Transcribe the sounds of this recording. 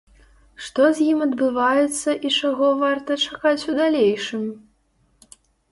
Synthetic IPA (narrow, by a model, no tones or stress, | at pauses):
ʂt̪ɔzʲjimɐd̪bɨvajɛt̪sːɐʔit͡ʂaɣɔvart̪ɐt͡ʂakat͡sʲud̪alʲejʂɨmʲ